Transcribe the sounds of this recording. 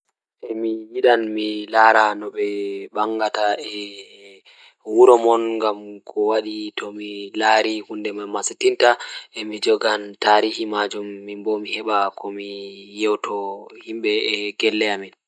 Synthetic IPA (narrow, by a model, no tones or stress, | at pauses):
ʔɛmijiɗanmilaɾanɔɓɛɓaŋɡataɛ | wuɾɔmɔnŋɡamkʰɔwaɗitʰɔmilaːɾihundɛmamasitintaʔɛmid͡ʒɔɡantaɾihimad͡ʒumːimbomihɛɓakʰɔmijɛwtɔhimɓɛɛɡɛlːɛjamin